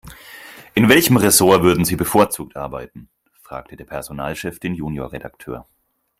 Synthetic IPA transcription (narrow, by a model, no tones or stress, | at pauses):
ʔɪnvɛlçəmʁɛsoːɐvʏɐdn̩ziːbəfoːɐt͡suːk̚tʔaɐba̰ɪtn̩ | fʁ̥a̰ːk̚tʰədeːɐpʰɛɐzonaːlʃɛfd̥eːnjuːnjoːɐʁeda̰ktʰø̰ːɐ